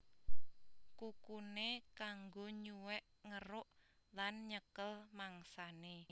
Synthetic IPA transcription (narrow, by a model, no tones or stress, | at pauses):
kukunekaŋɡoɲuwɛʔŋəɾʊʔlanɲəkəlmaŋsane